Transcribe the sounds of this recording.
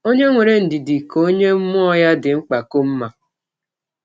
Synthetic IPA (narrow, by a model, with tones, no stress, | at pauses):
o˦ɲe˦ŋʷe˨ɾe˨n̩˨dɪ˨dɪ˨ko˦ɲe˦m̩˦mʊ˦ɔ˦ja˦dɪ˨ŋ͡m̩˦k͡pa˨ko˦m̩˦ma˨